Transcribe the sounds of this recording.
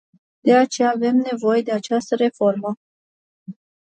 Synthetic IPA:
d̪̥e̞at͡ʃe̞jaːve̞mne̞vo̞je̞d̪e̞at͡ʃast̪əɾe̞fo̞rmə

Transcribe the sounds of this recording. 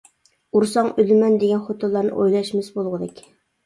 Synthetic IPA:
uɾsɑɴɵ̆lmænd̪eɡʲænχot̪olˠːɑɾnɤ̰ʔojlˠɑʃmɘsbulˠʁɤd̪ekʲ

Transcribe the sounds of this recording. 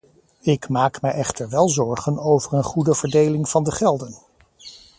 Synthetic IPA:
ɪkmaːkmɛjʔɛχtəɹʋɛlˠzɔɹχənowvəɹənχudəv̥əɹdejlɪŋvɑndəχɛlˠdən

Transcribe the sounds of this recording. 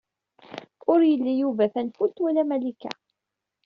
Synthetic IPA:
ʊɾjəlːijuvæθænfult̪wælæmælikæ̰

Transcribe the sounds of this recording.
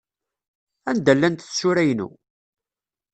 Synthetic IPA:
ænd̪ælːænt̪θsʊɾæjnṵ

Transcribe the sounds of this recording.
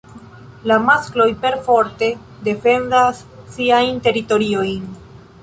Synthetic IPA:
lamasklo̞jpe̞ɾfo̞ɾte̞ | de̞fe̞ndasːiajnte̞ɾito̞ɾio̞jn

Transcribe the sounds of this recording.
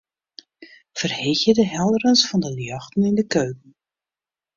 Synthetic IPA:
fərhɪxjədəɦɛlˠdərənsfɑndəljɑxtənɪndəkøːkən̩

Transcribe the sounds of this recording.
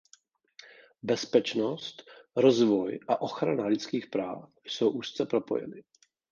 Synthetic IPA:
bɛspɛt͡ʃnost̪ɾo̞zvojʔaʔo̞xɾanalɪt͡skiːxpɾa̰ːfjso̞wʔust̪t͡sɛpɾo̞po̞̰jɛ̰nɪ

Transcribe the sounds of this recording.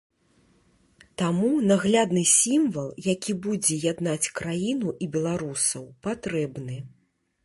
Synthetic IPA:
t̪amunaɣlʲad̪nɨsʲimvɐlˠjakʲibud͡zʲɛjad̪nat͡sʲkɾajinuʔibʲɛlˠaɾusɐwpat̪ɾɛbnɨ

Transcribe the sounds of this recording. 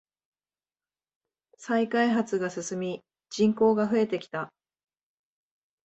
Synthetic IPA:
saikaiɦat͡sɨɡasɨsɨmʲi | d͡ʑĩŋko̞ːɡaɸɯ̟e̞t̪e̞kʲi̥t̪a

